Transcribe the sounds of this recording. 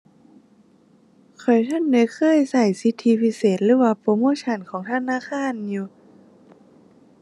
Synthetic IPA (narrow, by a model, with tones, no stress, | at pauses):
kʰɔ˨˩jt̪ʰa˧˥˨ndɛ˧˥˦kʰɤː˧˥˨jsa˧˩jsi˧˦˥t̪ʰːiː˧pʰi˧seː˨˩t̪̚lɯː˨˧˦waː˧poː˧˦moː˧˥˨t͡ɕʰa˧˩˨nkʰɔː˨˩˦ŋt̪ʰa˧˨naː˧˥˨xaː˧˥˨njuː˧